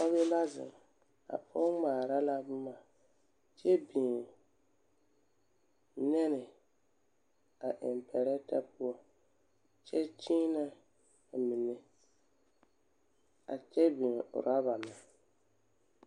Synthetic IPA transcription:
a˦βɛ˦la˦zɪ̰˨ŋ | a̰˨pʰɔ˦ŋ͡maː˨ɾa˦la˦bʊ˦ma˨ | t͡ʃɛ˦bi˨n | nɛ˦nɪ˨ | a˨ʔɪ̰˨m˨pʰɛ˨ɾɛ˦tɛ˦pʊ˦ɔ˨ | t͡ʃɛ˦t͡ʃiː˦na˦˨ | mi˨nɪ˦ | a̰˨t͡ʃɛ˦bi˨nʊ̰˨ɾa˦βa˨ma˨

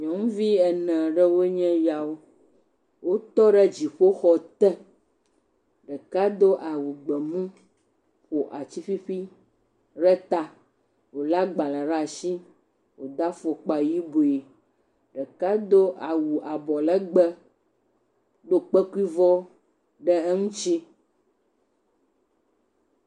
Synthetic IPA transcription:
ɲɔ̃˨ŋũ˦vi˦ɛ˨nɛ̃˨ɖɛ˦wo˦ɲɛ̃˦ja˨wo˦ | wo˦t̪ɔ˦ɖɛ˦d͡ʑi˨ɸo˦xɔ˨t̪ɛ˦ | ɖɛ˨ka˦d̪o˦ʔa˨wu˨ɡ͡bɛ˨mũ˦ | ɸo˨ʔa˨t͡ɕi˦fi˦ɸi˦ | ɖɛ˦t̪a˦ | wo˨la˦ɡ͡ba˨lɛ˨ɾa˦ʃi˦ | wo˨d̪a˦fɔ˨k͡pa˨ji˦bo˨e˨ | ɖə˨ka˦d̪o˦ʔa˨wu˨ʔa˨bɔ˨lɛ˦ɡ͡bɛ˦ | ɖo˦k͡pɛ˦ku˦i˦vɔ˦ | ɖɛ˦ɛ˦ŋũ˦t͡ʃi˦

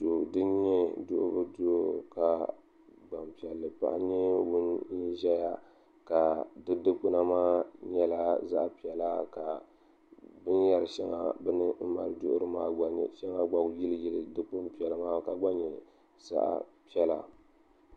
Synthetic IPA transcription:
to˨dɨ˦nɲɛ˦dʊ˦ʔʊ˦bɨ˦do˦ka˨ | ɡ͡ba˨mpi˨ɛ˨lːɨ˨pa̰˦ʔɲɛ˦wʊ˦n˦ʒɛ˦ja˦ | ka˨dɨ˦dɨ˦k͡pu˦na˦maː˦ɲɛ˦la˦za̰˦ʔpi˨ɛ˨la˦ka˨ | bɨ˦nja˦ɾɨ˨ʃɛ˦ŋa̰˨bɛ˦nɨ˦m̩˦ma̰˨ɾɨ˦dʊ̰˦ʔʊ̰˦ɾɨ˦maː˦ɡ͡ba˨ɲɛ̰˨ʃɛ˦ŋa˦ɡ͡ba˨ɡji˦lɨ˦ji˦lɨ˨dɨ˦k͡pʊ˦n˦pi˨˦ɛ˨lɨ˨maː˦˨ka˨ɡ͡ba˦ɲɛ˨ | za̰˦ʔa̰˨pi˦ɛ˦la̰˨

